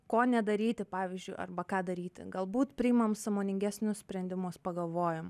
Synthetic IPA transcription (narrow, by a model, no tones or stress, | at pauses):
koːnʲɛd̪ɐɾʲiːt̪ʲɪpɑːʋʲɪzʲd͡ʒʲʊɪɐ̰rbɐkɑːd̪ɐɾʲiːt̪ʲɪ̰ɡɐlˠbuːt̪pʲɾʲɪɪmɐmsɐmoːnʲɪŋʲɡʲæsʲnʲʊssʲpʲɾʲɛnʲd̪ʲɪmʊspɐɡɐlˠʋoːjɛm